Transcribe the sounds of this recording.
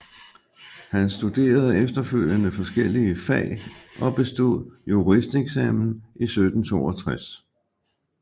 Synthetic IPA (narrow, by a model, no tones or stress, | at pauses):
hænsd̥ud̥e̝̰ːɐð̞ˠəefd̥ɐføl̰jənəfɒ̽sɡ̥el̰iəfɛ̰ɪʔɒ̽b̥e̝sd̥o̝ð̰ˠjuʁisd̥eɡ̥sɛ̰mn̩ʔisød̥n̩t͡sʰo̝̰ːɒt͡sʰʁas